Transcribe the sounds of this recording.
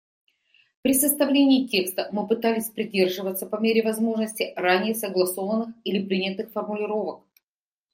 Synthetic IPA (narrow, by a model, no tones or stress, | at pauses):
pɾʲɪsəst̪ɐvlʲenʲɪːtʲe̞kst̪əmɨpɨt̪alʲɪsʲpɾʲɪdʲe̞rʐɨvət̪səpɐmʲeɾʲɪvɐzmo̞ʐnəsʲtʲɪranʲɪjəsəɡlˠɐso̞vənːɨxilʲɪpɾʲinʲət̪ɨxfərmʊlʲɪɾo̞vək̚